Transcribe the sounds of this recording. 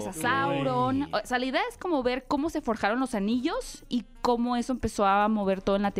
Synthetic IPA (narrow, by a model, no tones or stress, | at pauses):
sasawɾonsalaiðeaesko̞mo̞βe̞ɾko̞mo̞se̞fo̞ɾxaɾo̞nlo̞saniʝo̞siko̞mo̞e̞so̞empe̞so̞amo̞βe̞ɾt̪o̞ðenlat̪